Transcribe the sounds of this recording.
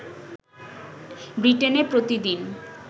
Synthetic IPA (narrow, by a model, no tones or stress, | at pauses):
bɾiʈenepɾot̪id̪in